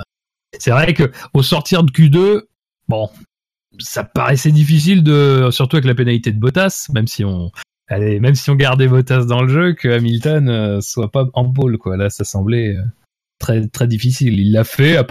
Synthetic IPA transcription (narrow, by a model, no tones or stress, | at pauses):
sɛvʁɛkəosɔʁt̪iʁd̪əkʲyd̪ø | bɔ̃ | sapa̰ʁɛsɛd̪ifis̬ild̪əsyʁt̪uavɛk̬lapenalit̪ed̪əbɔt̪asmɛmsiɔ̃ | alɛmɛmsiɔ̃ɡaʁd̪ɛbɔt̪asd̪ɑ̃ləʒøkʰəamilt̪ɔnøswapaɑ̃bolkwalasasɑ̃blɛø | t̪χɛt̪χɛd̪ifisililːafɛap